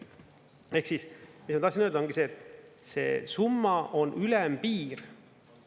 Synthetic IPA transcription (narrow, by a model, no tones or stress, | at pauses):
e̞hksismismɑt̪ɑsinøld̪ɑoŋɡ̥iseːet̪ːse̞̰ːsumːɑʔo̞nʔylɛmpiːr